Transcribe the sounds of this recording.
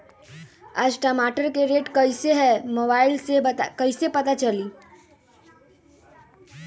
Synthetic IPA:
aːd͡ʒʈəmaːʈəɾkeɾeːʈkɐɪseɦɛmoːbaːɪlsekɐɪsepɐt̪at͡ʃɐliː

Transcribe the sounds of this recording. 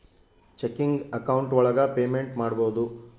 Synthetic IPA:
t͡ʃekːiŋɡɐkɐwɳʈʋɔɭɐɡɐpe̞ːmeɳʈmaːɽbo̞ːd̪u

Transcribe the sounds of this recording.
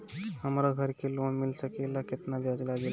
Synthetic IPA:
həmɾaɡʱəɾkelonmilsəkelaket̪nabʱjad͡zlaɡel

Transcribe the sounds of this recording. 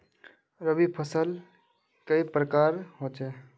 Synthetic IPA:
ɾəbipʰəsəl | kəipɾəkaɾɦot͡ʃe

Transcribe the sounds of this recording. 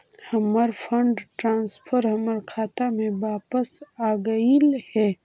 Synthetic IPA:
hɐməɾpʰə̃ɳɖʈɾãːnspʰəɾɦɐməɾkʰaːt̪amẽwaːpəsaːɡəilhɛː

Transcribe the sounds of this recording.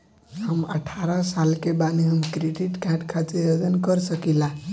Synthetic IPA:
ɦəmə̰ʈʰaɾasalkebaniɦəmkɾeɖiʈkãʈkʰad͡ʒejod͡ʒənkəɾsəkila

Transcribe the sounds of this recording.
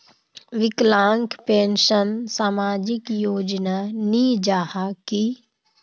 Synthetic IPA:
ʋɪklãːŋkpẽːnʃənsaːmaːd͡ʒɪkjoːd͡ʒnanid͡ʒaːhaki

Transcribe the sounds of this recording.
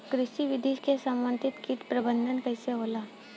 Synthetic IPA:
kɾɪʃiʋɪd̪ʱiːʃkesɐmːə̃nt̪ʰɪt̪kiʈ̪pɾɐbə̃nd̪ʱənkɐːseɦoːlaː

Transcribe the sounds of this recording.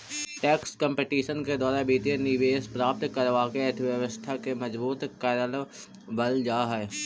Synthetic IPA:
ʈɛːkskə̃mpeʈiːʃənked̪ɔːɾabit̪eniʋeːspɾaːp̚t̪kəɾʋakeeʈ̪ʰʋjəʋəst̪ʰakemɐzbuːt̪kaːɾal | bɐld͡ʒaːɦɛː

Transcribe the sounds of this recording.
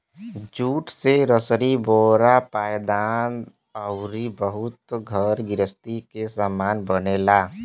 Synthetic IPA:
d͡ʒuːʈseɾəsɾiboːɾapaːjd̪aːn | əʊɾibəɦʊt̪ɡʱəɾɡɪɾəst̪ikesaːmaːnbənelaː

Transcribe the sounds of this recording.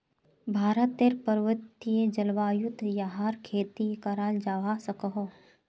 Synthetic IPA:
bʱaːɾət̪eɾpəɾʋət̪ːijed͡ʒɐlʋaːjut̪ːjaɦaːɾkʰeːt̪ikaɾaːld͡ʒaːʋasɐkəɦo

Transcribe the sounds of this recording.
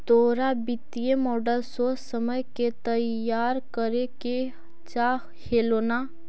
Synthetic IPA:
d̪oːɾabɪt̪ijemɔːɖəlsosəməjket̪əjaːɾkəɾeke | t͡ʃaː | heːloːna

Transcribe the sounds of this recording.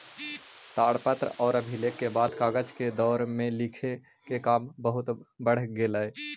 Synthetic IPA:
t̪aːɽpət̪ɾɔːɾəbʱilekːebaːd̪kaːɡəd͡ʒked̪ɔːɾmẽlikʰe | kekaːmbəɦʊt̪bəɽ̤ɡeləe

